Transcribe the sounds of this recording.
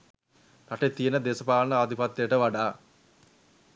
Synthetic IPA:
nɐʈet̪ːijenəd̪eːsɐpaːlɐnɐaːd̪ʱipɐt̪ːejəʈəʋɐɖaː

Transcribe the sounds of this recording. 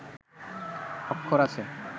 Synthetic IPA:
ɔkʰːoɾat͡ɕʰe

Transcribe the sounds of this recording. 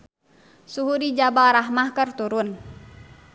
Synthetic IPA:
suɦudid͡ʒabaɾaɦmahkərt̪uɾʊn

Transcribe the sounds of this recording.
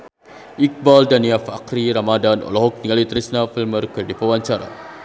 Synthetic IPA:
ʔik̚baldaniafa̰qɾiɾamadanʔɔ̰lɔɦɔk̚niŋalit̪ɾisnafilmərkɨrdipəwaɲt͡ʃaɾa̰

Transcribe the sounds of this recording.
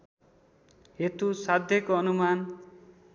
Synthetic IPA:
et̪usad̪ʱjʌkoʌnuman

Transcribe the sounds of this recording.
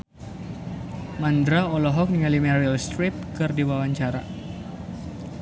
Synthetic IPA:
mandɾaɔlɔɦɔk̚niŋalimɛɾilst̪ɾip̚kɨrdiwawaɲt͡ʃaɾa̰

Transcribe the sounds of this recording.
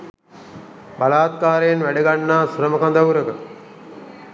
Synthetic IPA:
balaːt̪̚kaːɾejenʋæɖəɡanːaːsuɾəməkand̪awuɾəkə

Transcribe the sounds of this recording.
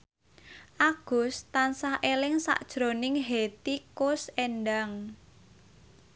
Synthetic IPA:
ʔaɡ̥ʊ̤st̪ansahʔelɪŋsa̰ʔd̥ʒ̥ɾo̤nɪŋɦet̪ikʊsenɖaŋ

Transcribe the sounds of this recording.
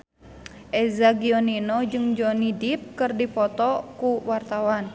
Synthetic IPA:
ʔɛzaɡiɔninɔd͡ʒɨŋd͡ʒonidip̚kɨrdipɔt̪ɔkuwart̪awan

